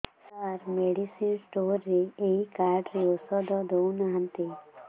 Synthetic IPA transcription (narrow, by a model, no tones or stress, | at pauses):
saɾmeɖisinsʈoːɾːeeikaɾɖɾiɔsɔd̪ɔd̪ownaɦə̃nt̪i